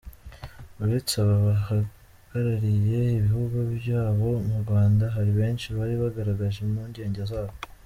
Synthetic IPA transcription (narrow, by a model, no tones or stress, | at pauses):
uɾet͡saβaβaha | ɡ̥aɾaɾije̞iβihuɡubjaːβo̞muɾɡwaːndaɦaɾiβe̞ːnʃiβaɾiβaɡaɾaɡaʒemuːɲɟe̞ːɲɟezaːβo